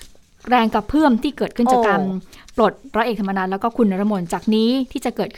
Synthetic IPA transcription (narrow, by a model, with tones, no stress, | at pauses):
ɾɛː˧ŋka˨˩pʰːɯː˥˩əmt̪ʰiː˥˩kɤː˨˩t̪̚kʰɯ˥˩˨aː˨˩kaː˧npɾo˨˩t̪̚ɾɔː˧˦ʔeː˨˩k̪̚ʰa˧ma˧naː˦˥lɛ˦˥wkɔː˥˩kʰu˧nːa˧ɾa˧mo˧nt͡ɕaː˨˩k̚niː˦˥t̪ʰiː˥˩t͡ɕa˨˩kɤː˨˩t̚ʰ